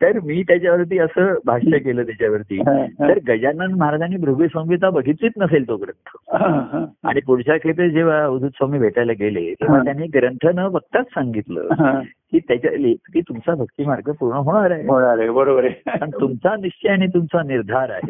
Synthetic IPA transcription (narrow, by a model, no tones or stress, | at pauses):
t̪əɾmiːt̪jat͡ɕjaʋəɾt̪̬iːəsəːbʱaʂəkeləːt̪jat͡ɕjaʋəɾt̪ḭːt̪əɾɡəd͡ʑanənməɦaɾad͡ʑaniːbɾuɡisə̃ʋit̪abəɡʱit͡siːt̪nəselt̪oɡəɾəɳt̪ʰəɦãa̰ɽ̃ipuɽɕakʰet̪̬əd͡ʑeʋ̤aud̪ʱut̪sʋamiːbʱeʈajlaɡelḛt̪emət̪janːiːɡəɾəɳʈ̪ʰənəʋək̚t̪at͡ssaŋɡit̪lə̰ɦãkiːt̪jat͡ɕa̰lekiːt̪umt͡sabʱəkt̪iːmaɾɡʱəpuɾɳəɦoɽ̃aɾaɦeɦoɽ̃aɾebəɾobəɾepəɳt̪umt͡saniɕt͡ɕəjaɽ̃it̪̬umt͡saniɾd̪ʱaɾa̰ɦḛ